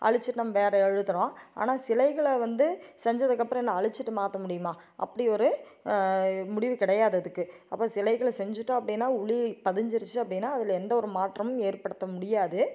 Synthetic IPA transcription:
ʔɐ̰ɭɪt͡ʃːɯʈːɯnɐmːɐʋeːɾɐɛɻɯt̪ːɯɾõːa̰ːnaːsɪlɐɪɣɐɭʋɐnd̪ɯsɛɲd͡ʒɐðɯkːɐpːɯɾɐ̃ɛnːɐɐɭɪt͡ʃːɯʈːɯmaːt̪ɐmʊɽɪjɯmaː | ʔɐ̰pːɐɽɪɔɾɯ | mʊɽɪʋɯkɪɽɐjaːðɐðɯkːɯ | ɐpːoːsɪlɐɪɣɐɭsɛɲd͡ʒɯʈːõɐpːɐɽɪnːaːʊɭipɐðɪɲd͡ʒɪɾɯt͡ʃːɯɐpːɐɽɪnːaːɐðɪlɛnd̪ɐɔɾɯmaːʈrɐmʊeːɾpɐɽɯt̪ːɐmʊɽɪjaːðɯ

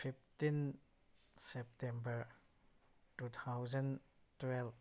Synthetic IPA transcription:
fift̪in | sɛp̚tɛ̃mbəɹ | tut̪ʰawzə̃n | twɛlf

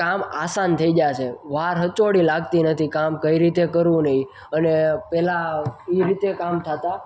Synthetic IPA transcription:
kamasant̪ʰəid͡ʒajt͡ʃʰeʋaɾɦət͡ʃoɽilaɡt̪inət̪ʰikamkəiɾit̪ekəɾʋũnəɦĩ | ənepɛlaiɾit̪ekamt̪ʰət̪a

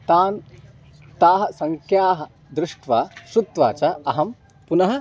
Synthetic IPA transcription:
t̪aːn | t̪aːɦɐ̆sɐŋkʰjaːɦɐ̆ | d̪ɾɪʂʈʋaːsɾut̪ʋa̰ːt͡ʃɐɐɦɐm | punɐɦɐ̆

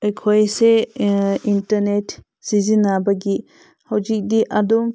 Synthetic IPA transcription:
ajkʰojse | intaɾnet | z̥izinabaɡi | hawzik̚diʔadum

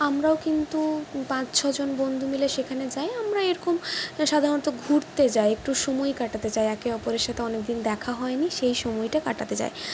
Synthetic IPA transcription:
amɾaokint̪upãt͡ɕt͡ɕʰɔd͡ʑonbond̪ʱumileʃekʰaned͡ʑajamɾaeɾɔkomʃad̪ʱaɾont̪oɡʱuɾt̪ed͡ʑaeek̚ʈuʃomɔjkaʈat̪et͡ɕaeɛkeɔpoɾeɾʃat̪ʰeɔnek̚d̪ind̪ɛkʰaɦɔeniʃejʃɔmɔjʈakaʈat̪et͡ɕa̰e

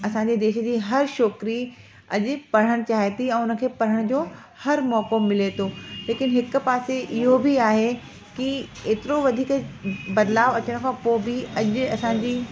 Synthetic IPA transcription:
ɐsãːɲ̆d͡ʑed̪eːʃə̆d͡ʑiːɦɐɾʃoːkɾi | ɐʄʊ̆pɐɽ̤əɽ̃t͡ɕaːɦet̪iɛ̃ːʊnə̆kʰeːpɐɽ̤əɽ̃d͡ʑoː | hɐɾmɔːkomɪlet̪ʰoːleːkɪnɦɪkpaːseʔɪɦobʱiaːɦe | kieːt̪ɪɾoʋɐd̪ʱiːkbɐd̪laːʋɐt͡ɕəɽ̃kʰãːpoːbiɐʄʊɐsãːd͡ʑiː

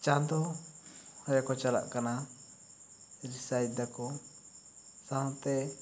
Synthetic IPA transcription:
t͡ʃãnd̪ɔ | hɔjakɔt͡ʃala̰ʔkana | ɾisajd̪akɔ | saɦɔ̃t̪ɛ

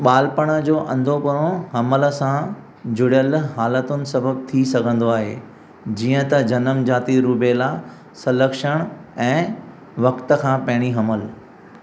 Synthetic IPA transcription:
ɓaːlpəɽ̃əd͡ʑoːʔɐ̃nd̪ʱopɐɾõɦɐmələ̆sã | d͡ʑʊɽijəlɦaːlət̪ʊnɪ̆sɐbʱəbt̪ʰisɐɡʱə̃n̆d̪oaːɦḛː | d͡ʑiːə̃t̪ɐd͡ʑɐnəmd͡ʑaːt̪iɾuːpela | sɐləkʃəɽ̃ɛ̃ː | ʋɐkt̪ə̆kʰãːpɐɦɪɽ̃iɦɐməl

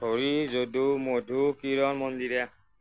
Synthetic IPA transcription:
oɾizodumodʱukiɾɔnmɔnd̪iɾa

